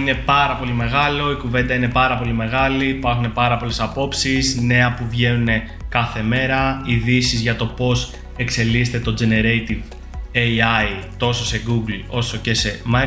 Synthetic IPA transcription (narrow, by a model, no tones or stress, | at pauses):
ine̞pɐɾɐpo̞lime̞ɣɐlo̞ikuve̞nd̪ɐine̞pɐɾɐpo̞lime̞ɣɐlipɐɾxune̞pɐɾɐpo̞le̞sɐpo̞psisne̞ɐpuvʝe̞nune̞ | kɐθe̞me̞ɾɐiðisizʝɐt̪o̞po̞s | e̞kse̞list̪et̪o̞d͡ze̞ne̞ɾejt̪iv | ejɐjt̪o̞so̞se̞ɡuɡlo̞so̞ce̞se̞mɐ